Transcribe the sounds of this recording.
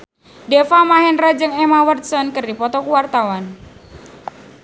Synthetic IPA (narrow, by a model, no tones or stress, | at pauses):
dɛfamaɦɛnrad͡ʒəŋemawərt̪̚sɔnkərdipɔt̪ɔkuwart̪awan